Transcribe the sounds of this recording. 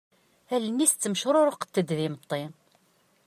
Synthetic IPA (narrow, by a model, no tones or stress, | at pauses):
ælənːist̪t͡sːəmʃɾˤoɾəqt̪ːəd̪ðimət̪ˤːen